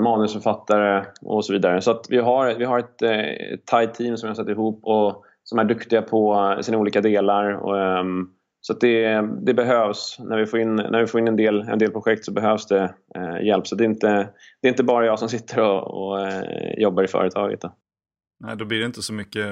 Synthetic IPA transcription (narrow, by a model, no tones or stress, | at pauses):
mɑːnɵsfœɾfat̪ːaɾəɔ̰sɔviːd̪aɾəsɔat̪vɪɦaɾvɪɦaɾɛt̪ɛ̰t̪ʰːajt̪ʰiːmsɔmjɪhasɛt̪ːɪɦuːpːɔ | sɔmæɖɵkt̪ɪɡapʰɔsiːnauːliːkad̪eːlaɾɔ̰ | sɔat̪̚d̪ɛd̪ɛbɛɦøːvsnʔæɾvɪfoːɾɪnːnʔæ̰ɾvɪfoːɾɪnːɛnd̪eːlɛ̰nd̪eːlpʰɾʊɧɛk̚t̪sɔbɛɦøːvsd̪ɛjɛlpsɔt̪̚d̪ɛɪnt̪ə | d̪ɛɪnt̪əbɑːɾajɑːɡsɔms̬ɪt̪ʰːəɾɔɔ̰jɔbːaɾɪfœ̰ːɾət̪ʰɑːɡə̰t̪̚d̪ɔ | nɛ̰ɪd̪ɔblidɛɪnt̪əsɔmʏkːə